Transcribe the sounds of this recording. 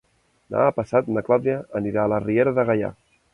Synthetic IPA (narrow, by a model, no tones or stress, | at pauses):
na̰ːpəsat̪nəklawðiaʔəniɾaːlərieɾəðəɣaja̰